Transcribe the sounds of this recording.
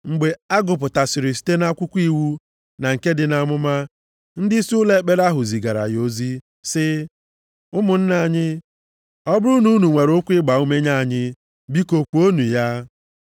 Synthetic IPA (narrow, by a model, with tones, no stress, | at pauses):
ŋ͡m̩˨ɡ͡be˨a˦ɡʊ˨p̬ʊ˨ta˨sɪ˨ɾɪ˨s̬i̥˦te˦na˦kʷʊ˦kʷi˦wu˦ | na˨ŋ̩˨ke˦dɪ˨na˨mʊ˦ma˦ | n̩˦dɪ˦sle˦˨k͡pe˦ɾa˦ɦʊ˨zi˨ɡa˨ɾa̰˨jo˦zi˦ | sɪ˦ | ʊ˦mʊ˨n̩˦na˨ɲɪ˦ | ɔ˦bʊ˦ɾu˦nu˦nu˨ŋʷe˨ɾo˦kʷɪ˦ɡ͡ba˨u˦me˦ɲa˦˨ɲɪ˦ | bi˦ko˨k͡pu˨o˦nu˨ja˦